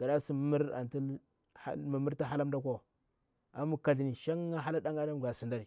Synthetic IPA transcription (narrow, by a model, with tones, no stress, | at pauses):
ɡ̥a˨da˦si˦m˦mi˦ɾa̰˨nti˦ | a̰˦ma˨mi˦ɾta˦ɦa˦la˦mda˦kʷo˦ | a˨mu˦ka˨ɮi˨ni˨ʃa˦ŋa˦ɦa˦la˦da˦ŋa˦da˦m˨ɡa˨si˨nda˦ɾi˨